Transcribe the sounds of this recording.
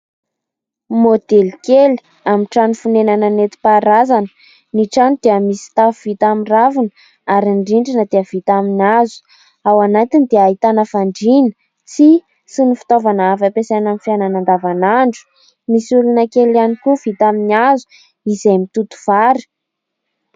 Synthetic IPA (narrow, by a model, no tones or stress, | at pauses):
mod̪elkeli̥ | amiʈ͡ʂanifunenananet̪i̥paɾazanə̥ | niʈ͡ʂanud̪̥eəmisi̥t̪afuvit̪amiravunə | aɾiɳɖ͡ʐiɳɖ͡ʐinəd̪eəv̥it̪aminazu̥ | awanat̪inid̪eaɦit̪anəfaɳɖ͡ʐinə | t͡si | sinifi̥t̪ovanaafapesanamifiananand̪avanaɳɖ͡ʐu̥ | misulunəkelanikuvit̪aminiazu̥ | izejmit̪ut̪u̥v̥aɾi̥